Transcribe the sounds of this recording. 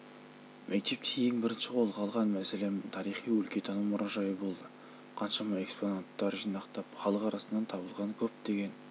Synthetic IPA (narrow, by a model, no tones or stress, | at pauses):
mʔek̚t̪e̞p̚k̪ʲʰejeŋbɪɾɪnʃɪqʰo̞lˠqʰɑlˠʁɑnmæse̞le̞mt̪ʰɑɾijχijwɵlkʲe̞t̪ʰɑnəmːʊɾʔɑʒɑjəbo̞lˠd̪ə | qʰɑnʃɑmɑe̞ksponant̪ːɑɾʒijnɑqt̪ɑpχɑlˠəqɑɾʔɑsənːɑnt̪ʰɑbəlˠʁɑnkʲʰɵp̚d̪e̞ɡʲe̞n